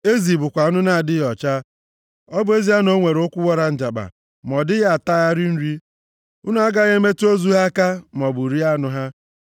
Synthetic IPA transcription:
e˦zi˨bʊ˨kʷa˨u˦nʊ˦na˦˨dɪ˦jɔ˨t͡ʃa˦ | ɔ˦bʊ˦e˦zi˦a˦no˦ŋʷe˨ɾʊ˦kʷʊ˦wɔ˦ɾa˨n̩˨d͡ʒa˨ɡ͡ba̰˨ | mɔ˨dɪ˦ɣa˨ta˦ɣa˦ɾi˦n̩˦ɾi˦ | ʊ˦nu˦a˦ɡa˦ɣe˦me˦to˦zu˦ɦa˦ka˦m˨ɔ˨bʊ˨ɾi˦a˦nʊ˦ɦa˦

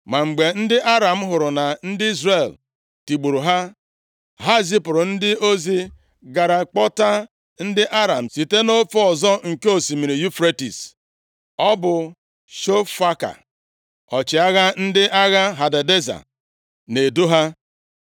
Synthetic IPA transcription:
ma˨ŋ͡m̩˨ɡ͡be˨n̩˦dɪ˦ʔa˦ɾa˨m̩˦ɦʊ˨ɾʊ˨na˨n̩˦dɪ˦i˦zre˦˨l | ti˨ɡ͡bu˨ɾu˨ɦa˦ | ɦa˦zi˦pʊ˨ɾʊ˨n̩˦dɪ˦ʔo˦zi˦ | ɡa˨ɾa˨k͡pɔ˦ta˦ | n̩˦dɪ˦ʔa˦ɾa˨m̩˨si˨te˦no˦fo˦ɔ˨zɔ˦ŋ̩˨ke˦o˨si˨mi˨ɾi˨ju˦fɾe˦tḭ˨s | ɔ˦bʊ˨ | ʃo˦fa˦ka̰˨ | ɔ˨t͡ʃɪ˨a˦ɣa˦n̩˦dɪ˦ʔa˦ɣa˦ɦa˨da˨de˦za̰˨ | ne˨do˦ɦa˦

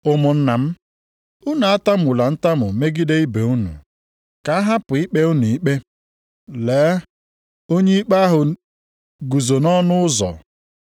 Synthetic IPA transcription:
ʊ˨mʊ˨n̩˦na˨m̩˦ | ʊ˦na˨a˦ta˦m˨ʊ˨la˨n̩˦ta˦mʊ˨me˦ɡi˦de˦i˦be˨u˦nṵ˨ | ka˨a˦ɦa˦pʊ˨i˦k͡pe˦u˦nu˨i˦k͡pe˦ | leː˨˦ | o˦ɲe˦i˦k͡pa˦a˦ɦʊ˨ | ɡu˨zo˨nɔ˦nʊ˦ʊ˦zɔ̰˨

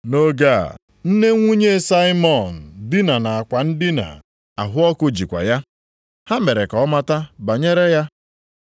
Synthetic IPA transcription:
no˦ɡa̰˦˨ | n̩˦ne˦ŋʷu˦ɲe˦sa˦ɪ˦mɔ˨n̩˨di˦na˨na˨a˨kʷa˨n̩˦dɪ˦na̰˨ | a̰˨ɦʊ˦ɔ˦kʊ˦d͡ʒi˨kʷa̰˨ja˦ | ha˦me˨ɾe˨ka˨ɔ˦ma˦ta˦ba˨ɲe˦ɾe˦ja˦

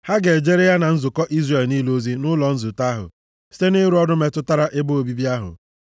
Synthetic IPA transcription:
ha˦ɡe˨d͡ʒe˦ɾe˦ja˦na˨n̩˦zʊ˨kɔ˦ʔi˦zre˨lniː˦lo˦zi˦nʊ˦lɔ˨n̩˦zʊ˨ta˦ɦʊ̰˨ | si̥˦te˦ne˦ɾu˦ɔ˦dʊ˦me˦tʊ˦ta˦ɾa˦ʔe˦bo˦o˨bi˦bi˦a˦ɦʊ̰˨

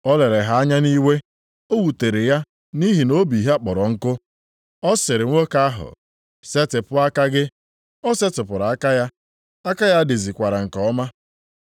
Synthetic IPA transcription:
ɔ˦le˨ɾe˨ɦa˦a˦ɲa˦ni˦we˦ | o˦wu˨te˨ɾe˨ja˦ | ni˦ɦi˨no˦bi˨ɦe˦a˦k͡pɔ˨ɾɔ˨ŋ̩˦kʊ˦ | ɔ˦sɪ˨ɾɪ˨ŋʷo˦ka˦a˦ɦʊ̰˨ | se˦tɪ˨pʊ˦a˦ka˦ɡɪ˦ | ɔ˦se˦tʊ˨pʊ˨ɾa˨a˦ka˦ja˦ | a˦ka˦ja˦de˨zi˨kʷa˨ɾa˨ŋ̩˨kɔ˦ma˦

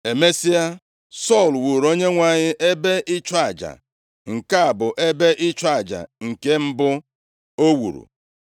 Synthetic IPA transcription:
e˨me˦si˦a˦ | sɔ˦˨lwu˨ɾo˦ɲe˦ŋʷa˨ɲɪ˦ʔe˦be˦ʔɪ˦t͡ʃa˦˨d͡ʒa̰˨ | ŋ̩˨ka˦a˨bʊ˨ʔe˦be˦ʔɪ˦t͡ʃa˦˨d͡ʒa̰˨ŋ̩˨ke˦m̩˦bʊ˦ | o˦wṵ˨ɾṵ˨

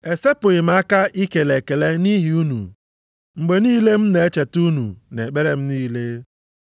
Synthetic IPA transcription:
e˨se˦pʊ˨ɣɪ˨m̩˦a˦ka˦ʔi˦ke˨le˨ke˨le˦ni˦ɦi˨u˦nṵ˨ | ŋ͡m̩˨ɡ͡be˨niː˦le˦m̩˦ne˨e˦t͡ʃe˨tu˦nṵ˨ne˨k͡pe˦ɾe˦m̩˦niː˦le˦

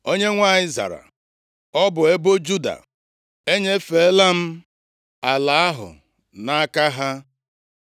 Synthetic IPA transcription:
o˦ɲe˦ŋʷa˦ɲɪ˦za̰˨ɾa̰˨ | ɔ˦bʊ˨e˦bo˦d͡ʒu˦da̰˨ | e˦ɲe˦fe˨˦la˦m̩˦ | a˨la˨a˦ɦʊ̰˨ | na˦a˦ka˦ɦa˦

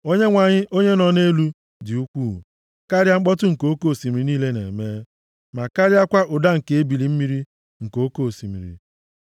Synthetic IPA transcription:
o˦ɲe˦ŋʷa˨ɲɪ˦ʔo˦ɲe˦nɔ˨ne˦lu˦ | dɪ˨u˦kʷu˦˨ | ka˦ɾja˦ŋ͡m̩˦k͡pɔ˦tʊ˦ŋ̩˨ko˦ko˦˨si˨mi˨ɾi˨niː˦le˦nḛ˨meː˦ | ma˨ka˦ɾja˦kʷa˦ʔʊ˨da˦ŋ̩˨ke˨e˦bi˨li˨m̩˦mi˦ɾi˦ | ŋ̩˨ko˨˦ko˦˨si˨mḭ˨ɾḭ˨

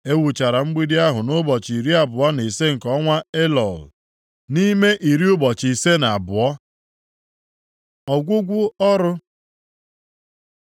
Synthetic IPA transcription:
e˦wu˨t͡ʃa˨ɾa˨ŋ͡m̩˦ɡ͡bi˦di˦a˦ɦʊ˨no˦bɔ˨t͡ʃi˨ɾi˦a˨bʊ˨a˦ne˨se˦ŋ̩˨kɔ˦ŋʷa˦e˦lɔ̰˨l | ni˦me˦ʔi˨ɾi˦ʊ˦bɔ˨t͡ʃi˨se˦na˨a˨bʊ˨ɔ˦ | ɔ˨ɡʷʊ˦ɡʷʊ˦ɔ˦ɾʊ˦

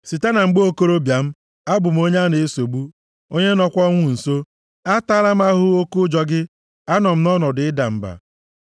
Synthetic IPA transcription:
si˨ta˦na˨ŋ͡m̩˨ɡ͡be˦o˦ko˦ɾo˦bja˨m̩˦ | a˦bʊ˨m̩˦o˦ɲe˦a˦ne˨e˦so˨ɡ͡bu˦ | o˦ɲe˦nɔ˦kʷɔ˦ŋʷʊ˨n̩˨so˦ | a˦ta˦ɾa˦m̩˦a˦ɦʊ˦o˦ku˦d͡ʒɔ˦ɡɪ˦ | a˦nɔ˨m̩˦nɔ˦nɔ˨dɪ˨ɪ˦da˨m̩˨ba̰˨

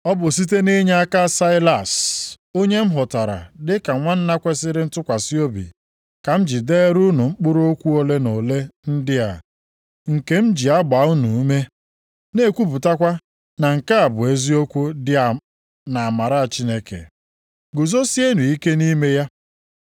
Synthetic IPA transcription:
ɔ˦bʊ˨s̬i˦t̬e˦ni˦ɲe˦a˦ka˦sa˦ɪ˦la˨s | o˦ɲe˦m̩˦ɦʊ˨ta˨ɾa̰˨dɪ˦ka˨ŋʷa˦n̩˦na˦kʷe˦sɪ˦ɾɪ˦n̩˦tʊ˦kʷa˨si˦o˦bḭ˨ | ka˨m̩˦d͡ʒi˨deː˦ɾu˦nu˨ŋ͡m̩˦k͡pʊ˦ɾo˦kʷu˦o˦le˦no˨le˦n̩˦dɪ˦a̰˨ | ŋ̩˨ke˦m̩˦d͡ʒi˨a˦ɡ͡ba˨˦u˦nu˨˦me˦ | ne˦˨kʷu˦pu˨ta˦kʷa˦ | na˨ŋ̩˨ka˦a˨bʊ˨e˦zi˦o˦kʷu˦dɪ˦a˨ | na˨a˨ma˨ɾa˦a˨t͡ʃi˦ne˦kḛ˨ | ɡʊ˨zo˦si˦e˦nu˨i˦ke˦ni˦me˦ja˦

